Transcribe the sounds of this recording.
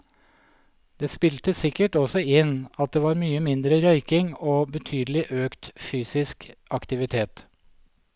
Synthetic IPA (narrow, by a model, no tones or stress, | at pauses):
d̪̥eːspɪlt̪əsɪkəʈɔsɔɪnɑt̪̚d̪eːʋɑːɾmyːəmɪnd̪ɾəɾœʏkɪŋoːbət̪ʰyːd̪əlɪʔøːkt̪fyːsɪskɑkt̪ɪʋɪt̪ʰeːt̪